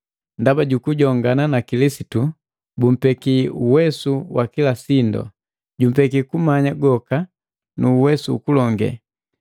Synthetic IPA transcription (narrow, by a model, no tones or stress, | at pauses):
ndabaɟukuɟɔŋɡananakilisitu | bum̩pɛkiuwɛsuwakilasindɔ̰ | ɟum̩pɛkikumaɲaɡɔka | nuːwɛsṵːkulɔŋɡɛ̰